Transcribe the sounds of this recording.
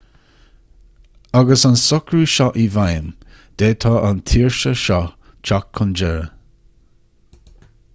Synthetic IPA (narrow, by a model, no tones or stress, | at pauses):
aɡəsansʊkɹuːʃɔʔivajən | d̪̥eːtʰɑːʔant̪ʰiːɹʃəʃɔ | t͡ʃʰakʰːʊnd͡ʒɛɹə